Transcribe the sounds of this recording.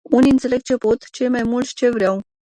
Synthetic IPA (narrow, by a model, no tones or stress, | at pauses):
uniɨnt̪se̞le̞ɡ̚t͡ʃe̞pot̪t͡ʃe̞jmajmult̪sʲt͡ʃe̞vɾʲjaw